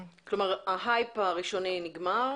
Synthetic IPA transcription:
klomaʁaɦajpaʁiʃoniniɡmaʁ

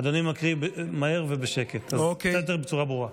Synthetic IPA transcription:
ad̪onimakʁibemaeʁvebeʃeket̪azosed̪eʁbet͡suʁabʁuʁa

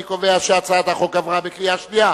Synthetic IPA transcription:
ikoveaʃeat͡saːt̪aχokavʁabekijaʃnia

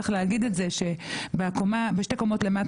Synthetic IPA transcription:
χleaɡidetzeʃe̞beakomabeʃteko̞mo̞tle̞mat

